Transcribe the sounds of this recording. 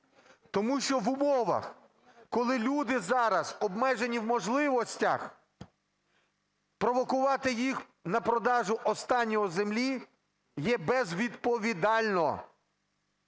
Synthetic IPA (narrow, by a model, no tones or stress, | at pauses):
t̪ɔmuʃt͡ʃɔʋʊmɔʋɐ̰x | kɔlˠɪlʲud̪ɪzɑɾɐzɔbmɛʒenʲiwmɔʒlˠɪʋɔsʲtʲɐ̰x | pɾɔʋɔkʊʋɑt̪ɪjix | nɐpɾɔd̪ɑʒʊʔɔst̪ɑnʲːɔɔzemlʲi | jɛbɛzʋʲid̪pɔʋʲid̪ɑlʲnɔ